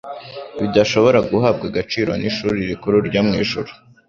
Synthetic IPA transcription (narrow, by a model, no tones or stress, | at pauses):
βidaʃo̞βo̞ɾaɡuɦaːb̚ɡaɡat͡ʃiːɾwo̰niʃuːɾiɾikuɾuɾɟamŋiːʒuɾu̥